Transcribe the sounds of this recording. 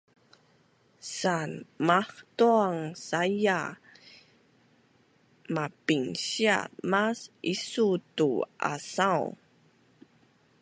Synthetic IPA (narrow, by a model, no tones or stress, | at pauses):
sanmaħtuaŋsaja | mapiŋɕia̰masʔisutuʔa̰saw